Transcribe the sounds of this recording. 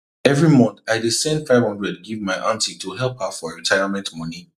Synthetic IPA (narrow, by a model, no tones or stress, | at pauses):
ɛvɹimɔ̃nθaɪdisɛ̃ndfaɪv̥hɔ̃ndɹɛd̚ɡivmaɪʔãntitʰuɦɛlˠphafɔɹitʰaɪəmɛ̃ntmɔni